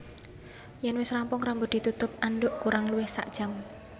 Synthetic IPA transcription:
jɛnwɪsrampʊŋrambʊd̪̥i̤t̪ut̪ʊp̚anɖʊʔkuɾaŋluwɪhsa̰ʔd̥ʒ̥am

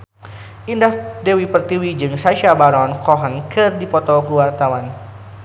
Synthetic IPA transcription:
ʔindahdewipərt̪iwid͡ʒɨŋsaʃabaɾɔnkɔɦənkɨrdipɔt̪ɔkəwart̪awan

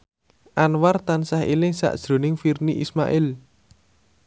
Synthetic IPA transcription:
ʔanwart̪ansahilɪŋsa̰ʔd̥ʒ̥ɾo̤nɪŋfirniʔisma̰ʔɪl

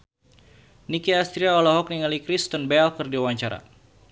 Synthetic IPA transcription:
nikiast̪ɾiaɔlɔɦɔk̚niŋalikɾist̪ɔnbɛlkərdiawaɲt͡ʃaɾa̰

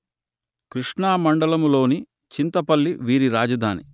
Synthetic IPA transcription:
kɾiʂɳaːmɐɳɖɐlɐmlo̞ːni | t͡ʃint̪ɐpɐlːiʋiːɾiɾaːd͡ʒɐd̪ʱaːnḭ

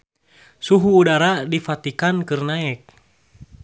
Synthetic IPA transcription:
suɦuːdaɾadifat̪ikankɨrnaɛk̚

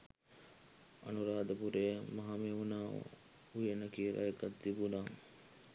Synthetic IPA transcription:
ɐnuɾaːd̪ɐpuɾejəmɐɦameuna̰ː | ujenɐkiːɾʔɐ̰jɐkɐt̪d̪ibunaːm

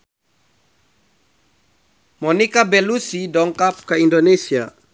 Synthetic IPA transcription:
mɔnikabɛlusidɔŋkap̚kaindonesia̰

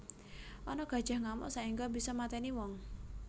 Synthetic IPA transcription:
ʔɔnɔɡ̥ä̤d̥ʒ̥a̤hŋamɔ̰saiŋɡɔbisɔmat̪ɛniwɔŋ

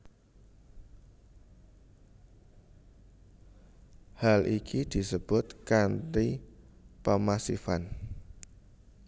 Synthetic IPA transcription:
halʔikʰid̪̥i̤səb̥ʊt̪kanti | pəmasifan

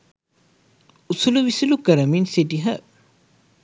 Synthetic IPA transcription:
usuluʋisilukɐɾɐminsidiɦə

